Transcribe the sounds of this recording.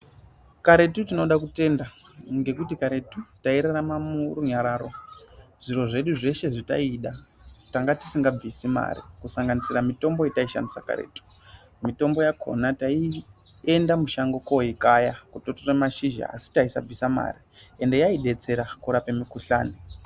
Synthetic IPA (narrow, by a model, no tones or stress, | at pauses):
kaɾe̞tutino̞ɗakute̞nda | ŋɡe̞kutikaɾe̞tutaiɾaramamuɾuɲaɾaːɾo̞ʐ̥iro̞ʐe̞ɗuʐe̞ʃe̞ʐita̰iɗataŋɡati̥siŋɡab͡visima̰ɾḭkusaŋɡanisiramito̞mbo̞jetaiʃa̰ndisaka̰ɾḛtu̥ | mito̞mbo̞jakʰo̞̰natai | e̞ndamuʃaŋɡo̞koikajakutotoremaʃiʒa̰a̰si̥taisa̰b͡visama̰ɾi | e̞nde̞jaiɗe̞t͡se̞ɾakuɾapemikuɬa̰ːni